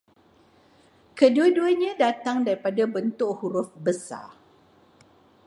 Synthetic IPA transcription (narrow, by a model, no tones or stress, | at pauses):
kəduaduaɲãdat̪aŋdaɾipadabənt̪ʊk̚huɾʊfbəsa̰